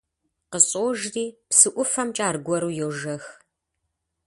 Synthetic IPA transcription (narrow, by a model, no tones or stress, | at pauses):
qəɕʼoːʒriːpsɨʔʷʊfɐmt͡ʃʼaːrɡʷɔɾuːjoːʒɐx